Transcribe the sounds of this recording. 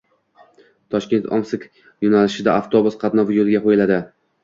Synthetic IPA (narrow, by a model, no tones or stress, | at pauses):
t̪ʰɒʃkʲe̞nt̪ʰɒ̰msɪk | jonalɪʃɪd̪aaft̪ʰo̞bʊsqʰɑt̪nɒvjolɪɡʲaqojɪlad̪ɪ